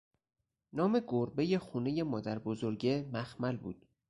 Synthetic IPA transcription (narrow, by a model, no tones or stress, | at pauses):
nɒːme̞ɡoɾbe̞je̞xuːne̞jemɒːd̪æɾbozoɾɟemæxmælbṵːd̪̥̚